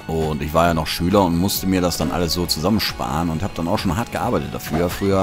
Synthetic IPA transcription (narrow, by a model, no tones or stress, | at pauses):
ʔʊntɪçv̥aːɐjaːnɔχʃyːlɐʊntmʊstəmiːɐɾasd̥anʔa̰ləsz̥oːt͡suzamənʃpa̰ːʁənʊnthaːbəd̥anaʊxʃoːnɦaɐt̚ɡ̥əʔa̰ɐbaɪtət̚d̥afyːɐfʁ̥yːɐ